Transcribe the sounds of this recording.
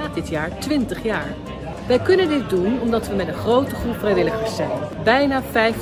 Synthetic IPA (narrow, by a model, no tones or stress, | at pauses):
ɪtjaːɹtʋɪntəχjaːɹ | ʋɛjkɵnəndɪt̚dunɔmdɑtʋəmɛtənχrowtəχrupfrɛjʋɪləχəɹsɛjnbɛjnaːfɛjf